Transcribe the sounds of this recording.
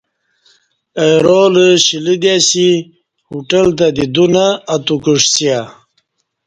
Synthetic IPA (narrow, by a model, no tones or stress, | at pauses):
ejɾoləɕilid̪asi | huʈəlt̪̬ad̪id̪unaːt̪ukuʂsia